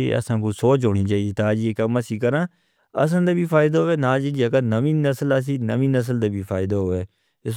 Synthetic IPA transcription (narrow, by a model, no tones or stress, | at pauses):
eə̰sãːkuːsoːt͡ʃɦoːniːt͡ʃaːieːt̪aːd͡ʒiːekaməsiːkəɾãː | ə̰s̬ə̃nd̪aːbiːpʰaːɪd̪aɦoːʋeːnaːd͡ʒiːd͡ʒiːəkənəʋĩːnəsələs̬iːnəʋĩːnəs̬əld̪aːbʱiːpʰaːɪd̪aːɦoːʋeː | ɪ